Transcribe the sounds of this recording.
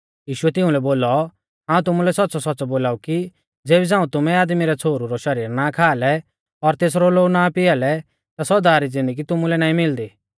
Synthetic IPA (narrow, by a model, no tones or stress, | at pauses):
jiːʃʊɛt̪ɪ̃ũlɛboːlɔ | ɦãːũt̪ʊmulɛsɐt̪ːsɔsɔtːsɔboːlaːuki | d͡zeːbid͡zãːũt̪ʊmɛ̃aːd̪miɾɛt͡sʰoːɾuɾɔʃɐɾiːɾnakʰaːlɛ | ɔɾt̪eːs̬ɾɔloːɡnapɪalɛ | t̪asɔd̪aɾid͡zɪ̃nd̪əɡit̪ʊmulɛnaːĩmɪld̪iː